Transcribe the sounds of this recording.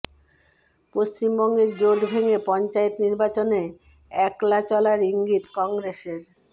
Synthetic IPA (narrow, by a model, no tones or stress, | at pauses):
post͡ɕimbɔŋɡeɾd͡ʑoʈbʱeŋepɔnt͡ɕaet̪niɾbat͡ɕone | ɛklat͡ɕɔlaɾiŋɡit̪kɔŋɡɾeseɾ